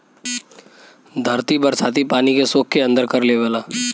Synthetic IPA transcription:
d̪ʱɐɾt̪ibəɾsaːt̪ipaːnikesoːkʰkeɐ̃nd̪əɾkəɾleːʋəːlaː

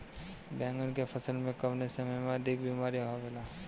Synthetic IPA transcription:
bɛ̃ːŋɡənkepʰɐsəlmẽkɐʋnesɐmejmẽɐd̪ʱɪk̚biːmaːɾiɦoʋelaː

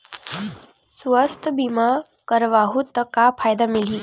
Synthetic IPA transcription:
sʋəst̪ʰbima | kəɾʋaɦut̪əkapʰajd̪amiliː

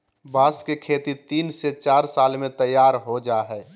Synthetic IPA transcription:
bʱaːskekʰeːt̪it̪iːnset͡ʃaːɾsaːlmẽt̪əjːaːɾɦod͡ʒaːɦɛː

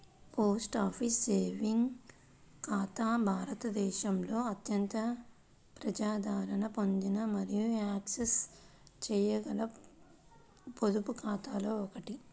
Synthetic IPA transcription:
poːsʈaːpʰisːeːʋiŋɡ | kaːt̪aːbʱaːɾɐt̪ɐd̪ɛːʃɐmlo̞ːɐt̪jɐnt̪ɐ | pɾɐd͡ʒaːd̪ʱaːɾɐɳɐpo̞nd̪inɐmɐɾijuaːksest͡ʃɛːjɐɡɐlɐ | pod̪upukʰaːt̪aːlo̞ːɔkɐʈi

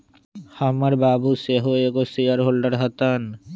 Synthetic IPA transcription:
hamaɾbabuseɦoeɡosijaɾɦolɖaɾɦat̪an

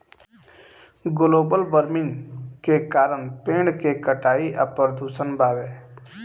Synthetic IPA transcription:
ɡʊloːbəlbəɾmɪ̃ŋkekaːɾəɳpẽːɳkekəʈaːiʔəpəɾd̪ʱuːsənbʱaːʋeː

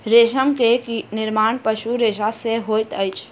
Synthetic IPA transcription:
ɾeːʃəmkekinɪɾmaːnpəʃuɾeːʃaseɦoːjt̪əɪt͡ʃʰ

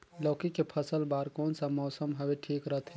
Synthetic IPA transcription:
lɔkikepʰəsəlbaɾkonsə̃mɔːsəmɦəbeʈʰikɾəɦt̪ʰɛ

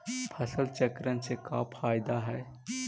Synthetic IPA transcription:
pʰəsəlt͡ʃəkɾənseka̰pʰaːɪd̪aɦɛː

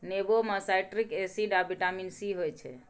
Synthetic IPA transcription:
nebomasajʈɾikesiɖabiʈaminsiɦojt͡ʃʰɛ̰

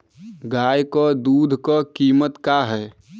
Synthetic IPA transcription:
ɡaːjkod̪uːd̪ʱkɔkiːmət̪kaɦɛː

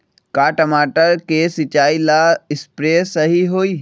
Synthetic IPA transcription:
kaːʈəmaːʈəɾkeːsɪt͡ʃaːilaːɪspɾeːsɐɦiɦoːiː

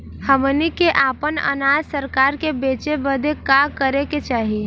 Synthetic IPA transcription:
həmnikeʔaːpənə̰naːzsəɾkaːɾkebeːt͡ʃebəd̪ʱekakəɾeket͡ʃaːɦi

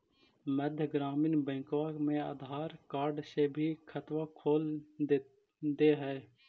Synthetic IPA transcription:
məd̪ʱjəɡɾaːmɪnbə̃ɪkʋaːmẽa̰ːd̪ʱaːɾkaːɾɖseːbʱiːkʰət̪ʋakʰoːl | d̪eːɦɛː

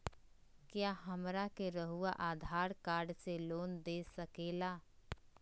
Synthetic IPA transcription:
kjaːɦɐmɾakeɾəɦuaʔaːd̪ʱaːɾkaːɾɖseloːnd̪eːsɐkeːlaː

